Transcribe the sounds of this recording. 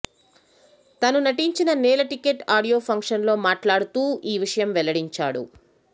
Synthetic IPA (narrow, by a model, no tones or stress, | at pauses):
t̪ɐnunɐʈiɲt͡ʃinɐnɛːlɐʈikeʈaːɽijo̞ːpʰɐŋkʂɐnlo̞ːmaːʈlaːɽut̪uːiːʋiʂɐjɐmʋɛlɐɽiɲt͡ʃaːɽṵ